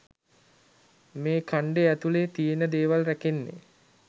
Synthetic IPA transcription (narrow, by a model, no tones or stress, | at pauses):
meːkʰaɳɖeæt̪uleːt̪ijenəd̪eːʋalrækenːḛ